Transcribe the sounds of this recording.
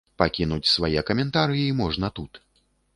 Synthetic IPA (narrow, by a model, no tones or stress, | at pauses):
pakʲinut͡sʲsvajɛkɐmʲɛnt̪aɾɨjɛimɔʐnɐt̪ut̪